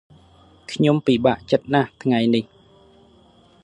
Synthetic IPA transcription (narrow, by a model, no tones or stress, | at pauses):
kʰɲompiɓaʔt͡ɕət̪̚naht̪ʰŋajnih